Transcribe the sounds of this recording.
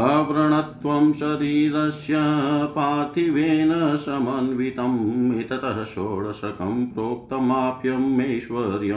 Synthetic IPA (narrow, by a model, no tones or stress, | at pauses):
ɐʋɾɐɳɐt̪ʋɐmʃɐɾiːɾɐʃjɐpaːt̪iʋeːnɐsɐmɐnʋit̪ɐmit̪ɐt̪ɐɦɐʃoːɭɐsɐkɐ̰mpɾoːk̚t̪ɐmaːpjɐmeːʃʋɐɾjɐ